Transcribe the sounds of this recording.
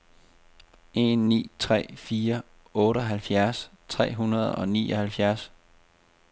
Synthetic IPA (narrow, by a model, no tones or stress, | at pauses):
e̝nːḭːt͡sʰʁɛ̰ːfiːɐ | ɔ̽ːɾəɦælfjæɐst͡sʰʁɛ̰ːɦunɐð̞̩ˠɒ̽niːɒhælfjæɐs